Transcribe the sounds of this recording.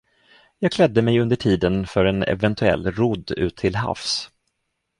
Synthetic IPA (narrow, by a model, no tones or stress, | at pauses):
jɑːɡ̚kʰlɛd̪ːəmɛjɵnd̪əʈʰiːd̪ənfœɾɛnɛ̰vɛnt̪ʰɵɛ̰lːɾʊd̪ːʉ̟̰ːt̪ʰːɪlɦa̰fs